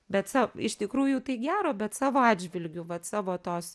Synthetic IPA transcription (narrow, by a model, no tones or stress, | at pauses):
bʲɛt̪sɑːɪʃt̪ʲɪkɾuːjʊt̪ɐɪɡʲæːɾoːbʲɛt̪sɑːʋoːɑːd̪ʲd͡ʒʲʋʲɪlʲɡʲʊʋɐt̪sɑːʋoːt̪oːs